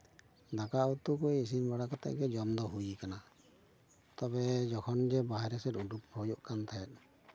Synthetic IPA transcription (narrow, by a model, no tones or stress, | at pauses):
d̪akaut̪ukujis̬inbaɽakat̪a̰ʔɡɛd͡ʒɔmd̪ɔɦujikana | t̪ɔbɛd͡ʒɔkʰɔnd͡ʒɛbaɦɛɾɛsɛɾuɖuphɔjɔʔkant̪ʰaɛt̪̚ˀ